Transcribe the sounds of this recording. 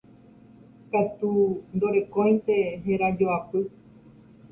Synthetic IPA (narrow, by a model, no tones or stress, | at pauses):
pet̪und̪oɾe̞kõj̪̃t̪e̞ɦeɾad͡ʒoapɨ